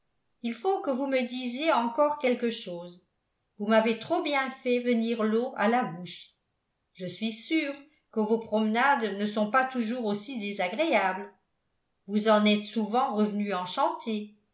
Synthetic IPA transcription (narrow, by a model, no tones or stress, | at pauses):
ilfokəvuməd̪izjeɑ̃kɔʁkʲɛlkəʃoːz | vumavet̪χobjɛ̃fɛvəniʁloʔalabuʃ | ʒəsɥisyːʁ | kəvopχɔmənad̪nəsɔ̃pat̪uʒuːʁosid̪ezaɡʁeabl | vuzɑ̃nɛt̪suvɑ̃ʁəvnyɑ̃ʃɑ̃t̪ʰe